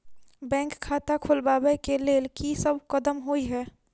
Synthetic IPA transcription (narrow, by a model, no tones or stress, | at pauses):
bɛ̃ːŋkʰːaːt̪akʰʊlbaːbɛkeleːlkisəbkəd̪əmɦoiɦɛː